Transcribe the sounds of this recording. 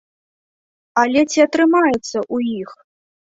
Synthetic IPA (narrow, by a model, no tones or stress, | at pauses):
alʲɛt͡sʲiɐt̪ɾɨmajɛt̪sːɐʔujix